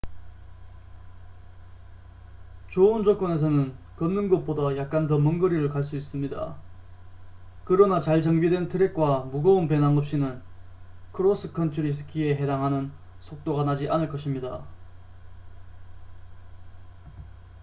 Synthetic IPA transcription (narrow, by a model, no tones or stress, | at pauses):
t͡ɕoɯnd͡ʑok͈ʌne̞s̬ʰʌnɯn | kʌnːɯnɡop͈odajak̚k͈antʌmʌŋɡʌɾiɾɯɭkaɭs͈uis͈ɯmɲida̰ | kɯɾʌnat͡ɕaɭd͡ʑʌŋɡidwe̞ntʰɯɾe̞k̚k͈wamuɡʌonpe̞naŋʌp̚ɕ͈inɯn | kʰɯɾos͈ʰɯ̥kʰʌnt͡ɕʰuɾisʰɯ̥kʰie̞ɦe̞daŋɦanɯn | sʰok̚t͈oɡanad͡ʑiʔanɯɭk͈ʌɕʰimɲida̰